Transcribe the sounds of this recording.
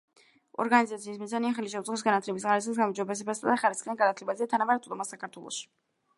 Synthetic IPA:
ɔ̰ɾɡanizat̪sʰiːsmizaniaχɛliʃɛut̪sʼχɔs̬ɡanat̪ʰlɛbis̬ʁaɾɛsasɡamumd͡ʒɔbɛs̬ɛbasad̪aχaɾisχianɡanat̪ʰlɛbazɛat̪ʰanamaɾɛt̪sʼd̪ɔmasakʰaɾt̪ʰwɛlˠɔ̰ʃi̥

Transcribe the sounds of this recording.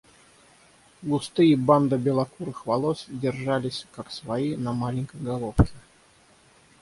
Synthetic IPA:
ɡʊst̪ɨjiband̪əbʲɪlˠɐkuɾɨxvɐlˠosdʲɪrʐalʲɪsʲkaksvɐinɐmalʲɪnʲkəjɡɐlˠofkʲɪ

